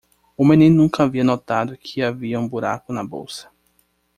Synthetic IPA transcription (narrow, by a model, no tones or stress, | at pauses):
ʊmẽnĩnʊnũŋkɐaviɐnot̪ad̪ʊkʰɪaviɐũbuɾa̰kʊnɐbo̰wsɐ̥